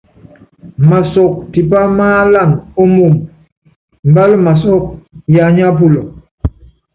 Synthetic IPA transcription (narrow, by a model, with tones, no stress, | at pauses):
ma˨sɔ˨k̚ti˨p̬a˦maː˦la˦˨no˦mo˦˨m | m̩˨ba˦lma˨sɔ˦k̚ja˨ɲa˦p̬u˦˨lɔ˨